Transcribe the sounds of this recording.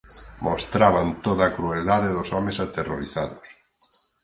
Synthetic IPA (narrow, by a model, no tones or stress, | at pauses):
mʔost̪ɾaβant̪oðakɾueld̪aðeðosɔmesat̪ero̰ɾiθaðos